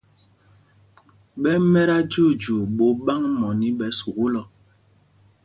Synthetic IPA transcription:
ɓɛ˦mɛ˦ɾa˦d͡ʒu˦˨d͡ʒu˨ɓo˨˦ɓa˦ŋmɔ˨ni˦ɓɛ˨˦su˨ɣu˦lɔ˨

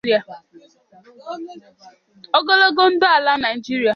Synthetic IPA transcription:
a˨ | o˦ɡo˦lo˦ɡo˦n̩˦dʊ˦a˨la˦na˨d͡ʒi˦ɾi˦a˨

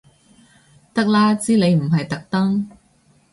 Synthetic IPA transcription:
t̪ɐ˥k̚laː˥t͡siː˥le˨˧jm̩˨˩ɦɐ˨jt̪ɐ˨k̚t̪ɐ˥ŋ

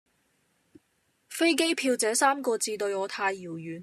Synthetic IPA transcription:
fe˥jk̬e˥jpʰiː˧wt͡sɛː˨˥saː˥mkɔː˧t͡siː˧t̪ɵ˧ɥɔː˨˧t̪ʰaː˧jːiː˨˩wjyː˨˩n

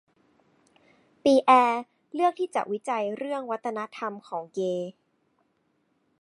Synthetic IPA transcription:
piː˧ʔɛː˧ | lɯ˥˩ək̚t̪ʰiː˥˩t͡ɕa̰˨˩ʔwi˦˥t͡ɕa˧jɾɯ˥˩əŋwa˦˥t̪ʰːa˧na˦˥t̪ʰa˧mkʰɔː˩˦ŋkeː˧

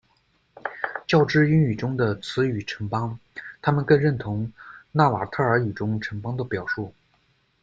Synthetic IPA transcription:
t͡ɕjɑ˥˧ʊʈ͡ʂɻ̩˥˩y˧˥ny˨˩ʈ͡ʂʊ˥ŋd̪ə˨t͡sʰɹ̩˧˥y˨˩ʈ͡ʂʰə˧˥ŋpɑ˥ŋt̪ʰa˥mə˨nkə˥˧nɻə˥˩nt̪ʰʊ˧˥ŋna˥˩wa̰˨˩t̪ʰɤ˥˩ə˞˧˥y˨˩ʈ͡ʂʊ˥ŋʈ͡ʂʰə˧˥ŋpɑ˥ŋd̪ə˨pjɑ˨˩ʊʂu˥˩

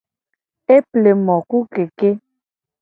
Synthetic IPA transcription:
e˦ple˨mɔ˨ku˦ke˨ke˦

